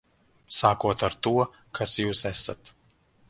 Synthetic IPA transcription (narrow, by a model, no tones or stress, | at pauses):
saːkuɔt̪aɾt̪uɔ | kʰasjuːsɛsa̰t̪